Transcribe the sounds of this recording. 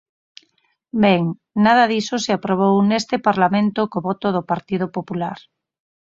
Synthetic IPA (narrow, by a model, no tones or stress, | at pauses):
beŋ | nað̞aðisoseapɾoβ̞ownest̪epaɾlamẽnt̪okoβɔt̪oðopaɾt̪ið̞opopulaɾ